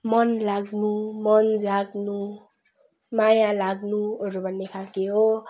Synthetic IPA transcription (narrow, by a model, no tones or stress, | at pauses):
mʌnlaɡnumʌnd͡zaɡnu | majãlaɡnuʌɾubʱʌnːekʰakeɦo